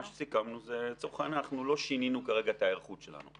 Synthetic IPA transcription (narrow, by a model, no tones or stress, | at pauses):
aʃe̥sikamnuzet͡soχanaχnulo̞ʃininukaʁeɡaet̪aeʁχut̪ʃela̰nṵ